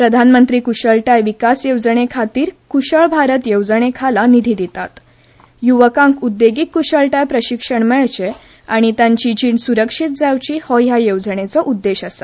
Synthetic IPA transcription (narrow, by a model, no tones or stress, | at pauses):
pɾəd̪ʱanmənt̪ɾiːkuɕəɭʈajʋikasjewd͡zəɳekʰat̪iːɾkuɕəɭbʱaɾət̪jewd͡zəɳ̃ekʰalanid̪ʱiːd̪it̪at̪ | juʋəkãŋkud̪ːeɡikːuɕəɭʈajpɾəɕikʂəɳmɛɭt͡ɕe | aɽ̃it̪jãɲt͡ɕid͡ʑiɳsuɾəkʂit̪̚d͡zawt͡ɕiːhɔjajewd͡zəɳ̃et͡sɔʔud̪ːeɕəsa